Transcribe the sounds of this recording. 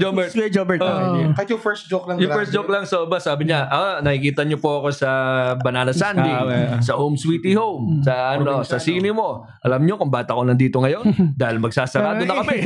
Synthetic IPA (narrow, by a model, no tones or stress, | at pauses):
d͡ʒobɛd͡ʒobɛkɐjofɛɹsd͡ʒok̚lɐjofɛsd͡ʒok̚lɐŋsoʔɪbɐsaːbɪɲaʔɐnɐhikiːt̪ɐɲopoɐko̞sɐbɐnaːnɐsand̪isɐhomswit̪ihowmsɐɐnosɐsiːnɪmo̞ | ʔɐlɐmɲo̞kʊŋbaːt̪ɐkonɐnd̪iːt̪oŋɐjo̞nd̪aːhɪlmɐɡsasɐɾaːd̪onɐkɐmɛ